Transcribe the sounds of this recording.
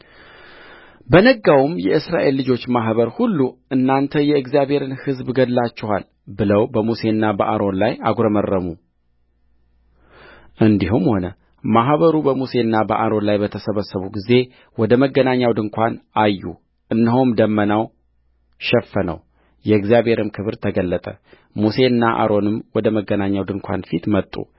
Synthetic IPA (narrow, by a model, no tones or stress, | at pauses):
bənəɡawumjɛʔɨsɾaʔe̞lːɨd͡ʒo̞t͡ʃːmaɦβəɾhulːuɨnːant̪ʰəjɛɨɡzijaβhe̞ɾɨnhɨzbɡəlːat͡ʃːɛhal | bɨləwbəmuse̞ɨnːabəʔaɾo̞nlajaɡɾəmərːəmu | ʔɨnd̪iɦumho̞nə | maɦβəɾubəmuse̞ɨnːabəʔaɾo̞nlajbət̪ʰəsəβəsːəβuɡize̞ | wɔd̪əməɡənaɲːawd̪ɨŋkʰʷanajːṵ | ʔɨnːɨɦomd̪əmːənaw | ʃɛfːənə̰w | jɛɡzijaβhe̞ɾɨmkʰɨβɨɾt̪ʰəɡəlːət̪ʼə | muse̞ɨnːaʔa̰ɾo̞nɨmwɔd̪əməɡənaɲːawd̪ɨŋkʷʰa̰nfit̪mət̪ʼːṵ